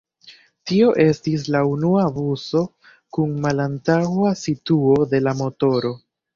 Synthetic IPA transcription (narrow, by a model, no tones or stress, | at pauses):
tio̞ʔe̞stis̬launuabuso̞ | kunmalantawasituo̞de̞lamo̞to̞ɾo̞